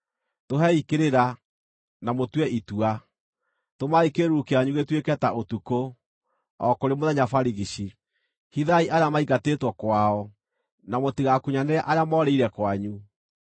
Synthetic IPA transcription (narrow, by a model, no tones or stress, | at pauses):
toɦɛikeɾeɾa | namotwɛʔitua | tomaikeɾukeaɲuɣetwekɛtaʔotuko | ɔkoɾemoðɛɲafaɾiɣiɕi | hiðaiʔaɾeamaiɣateːtwɔkwaɔ | namotiɣakuɲaneaʔaɾeamɔːɾeiɾɛkwaɲu